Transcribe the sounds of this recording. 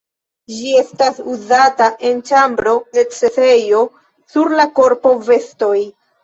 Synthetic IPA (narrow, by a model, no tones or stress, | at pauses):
d͡ʒie̞stasuzataʔe̞nt͡ʃambɾo̞de̞t͡sese̞jo̞ | suɾlako̞ɾpo̞ve̞sto̞j